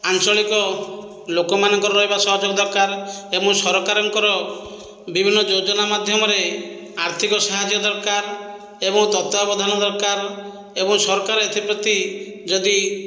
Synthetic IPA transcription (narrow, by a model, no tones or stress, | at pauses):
ant͡ʃɔɭikɔ | lokɔmanɔŋkɔɾɔɾɔɦebasɔɦɔd͡ʒɔɡɔd̪ɔɾkaɾebɔŋsɔɾkaɾɔŋkɔɾɔ | bibʱinːɔd͡ʒod͡ʒɔnamad̪ʱjɔmɔɾe | aɾt̪ʰikɔsaɦad͡ʒjɔd̪ɔɾkaɾ | ebɔŋt̪ɔt̪abɔd̪ʱanɔd̪ɔɾkaɾ | ebɔŋsɔɾɔkaɾɔet̪ʰipɾɔt̪i | d͡ʒɔd̪i